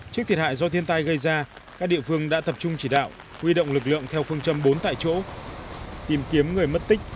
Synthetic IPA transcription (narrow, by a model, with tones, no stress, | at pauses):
t͡ɕɨ˦˥k̚t̪ʰi˨˩ha̰ː˧˨jzɔ˧t̪ʰi˧ənt̪a˧jɣə˧jzaː˧ | kaː˦˥k̚ɗḭ˧˨əfɨ˧əŋɗa̰ː˧˥t̪ə˨˩p̚t͡ɕʊ˧ŋ͡mt͡ɕi˧˩ɗa̰ː˧˨w | hwi˧ɗo̰˧˨wŋ͡mlɨ˨˩k̬̚lɨ̰˧˨əŋt̪ʰɛ˧wfɨ˧əŋt͡ɕə˧mɓo˨˦nt̪a̰ː˧˨jt͡ɕo̰˧˥ | t̪i˨˩mki˨˦əmŋɨ˨˩əjmə˦˥t̚t̪ï˦˥k̟̚